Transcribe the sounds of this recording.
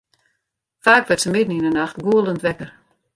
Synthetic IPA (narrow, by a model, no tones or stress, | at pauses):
faːkʋɛtsəmɪdn̩inənaxtɡuəlˠəntʋɛkər